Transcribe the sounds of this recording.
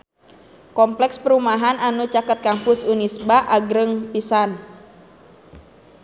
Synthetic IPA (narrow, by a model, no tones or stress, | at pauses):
kɔmplɛkspəɾumaɦananut͡ʃakət̪̚kampʊsunisbaʔaɡɾəŋpisan